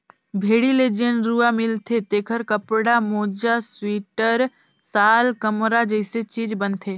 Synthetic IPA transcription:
bʱeːɽiled͡ʒenɾuːamɪlt̪ʰet̪eːkʰəɾkəpɽamoːd͡ʒaswiːʈəɾ | saːlkəmɾad͡ʒəɪset͡ʃiːd͡ʒbənt̪ʰeː

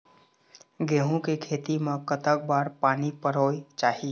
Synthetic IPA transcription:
ɡeːɦũkekʰeːt̪imẽkət̪ək̚baːɾpaːnipəɾoːit͡ʃaːɦiː

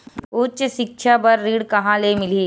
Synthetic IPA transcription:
ʊtt͡ʃʃɪkʃʰabɐɾːiːɽkɐɦãlemɪliː

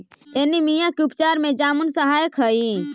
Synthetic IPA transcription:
eːnimijãkiupt͡ʃaːɾmẽd͡ʒaːmunsəɦaːjkʰəi

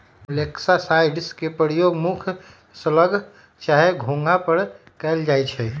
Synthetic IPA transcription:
leksasajɖskepəɾijoɡmukʰ | sələɡʱ | t͡ʃaɦeɡʱõŋɡapəɾ | kɛld͡ʒajt͡ʃʰɛ

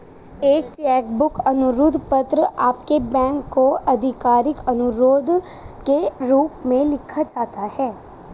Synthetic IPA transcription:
eːk̚t͡ʃɛːʈbʊkɐnʊɾʊd̪ʱpɐt̪ɾəaːp̚kebɛ̃ːŋkːoɐd̪ʱɪkaːɾɪkɐnʊɾoːd̪ʱkeɾuːpmẽlɪkʰat͡ʃaːt̪ahɛː

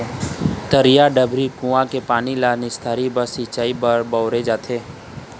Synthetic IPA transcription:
t̪əɾijaɖəbʱɾikũãkepaːnilanɪst̪ʰaːɾibəsit͡ʃaːibəɾbɔːɾed͡ʒaːt̪ʰeː

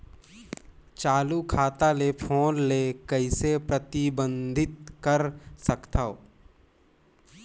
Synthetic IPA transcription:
t͡ʃaːlukʰaːt̪alepʰoːnleːkəisepɾət̪ɪbə̃nd̪ʱɪt̪̚kəɾsəkt̪ʰao̰

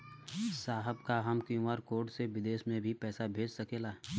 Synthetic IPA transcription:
saːɦəbkaɦəmkũʋaːɾkoːɾʈseʋɪd̪eːʃmẽbʱipɛːsabʱeːd͡ʒsəkeːlaː

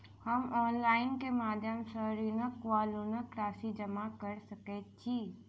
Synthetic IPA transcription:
həmɔːnlaːɪnkemaːd̪ʱjəmsəɦɾinəkʋaːlunəkɾaːsid͡ʒəmakəɾsəket̪̚t͡ʃʰi

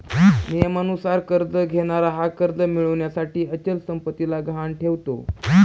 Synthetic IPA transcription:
nijəmanusaɾkəɾd̪əɡʱeɽ̃aɾaɦakəɾd̪əmiɭəʋɳjasaʈiːət͡ɕəlsəmpət̪ilaɡʱanʈʰeʋt̪o̰

